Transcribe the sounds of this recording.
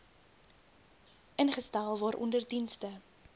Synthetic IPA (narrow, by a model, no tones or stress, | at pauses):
ʔənχəstælˠvɑːɾʔɔ̰ndərdinstə